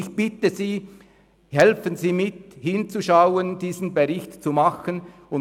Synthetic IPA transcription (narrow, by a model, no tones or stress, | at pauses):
ɪçb̥ɪtəziː | hɛlfənziːmɪthɪnt͡suʃaʊənd̥iːzn̩beʁɪçtt͡sumɑxən | ʊ